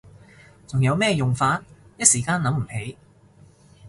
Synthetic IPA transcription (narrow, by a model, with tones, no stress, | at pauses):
t͡sʊ˨˩ŋjɐ˨˧wmɛː˥jʊ˨ŋfaː˧t̚jɐ˥t̚siː˨˩kaː˧˥nlɐ˨˥mm̩˨˩he˨˥j